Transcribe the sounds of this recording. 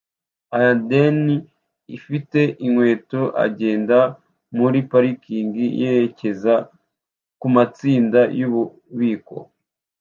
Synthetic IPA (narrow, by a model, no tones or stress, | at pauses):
ajadeni | ifite̞ʔiŋwe̞ːto̞ʔa̰ɟe̞ːnda | muɾipaɾikiːŋɡijeɾece̞za | kumat͡siːndajuβu | βiːko̞̰